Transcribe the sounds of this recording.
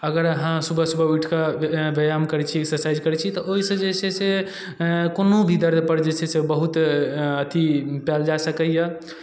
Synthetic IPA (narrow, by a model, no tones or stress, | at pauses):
əɡəɾəɦãsubʱəsubʱəiʈʰkabejamkəɾɛt͡ʃʰiesəsaid͡ʒkəɾɛt͡ʃʰit̪ɔʔoɦisə̃d͡ʒesʰese | konobʱid̪əɾd̪ʱpəɾd͡ʒesʰɛsebəɦut̪ət̪ipald͡ʒasəkəjə